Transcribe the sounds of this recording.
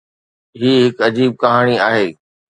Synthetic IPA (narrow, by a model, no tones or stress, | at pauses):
ɦiːɦɪkɐd͡ʑiːb̚kɐɦaːɽ̃iaːɦeː